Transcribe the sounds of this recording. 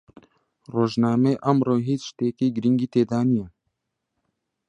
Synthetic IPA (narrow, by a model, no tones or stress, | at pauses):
roːʒnaːmeːʔamɾoːɦiːt͡sʃt̪eːkiːɡɾiŋɡiːt̪eːd̪aːnijɛ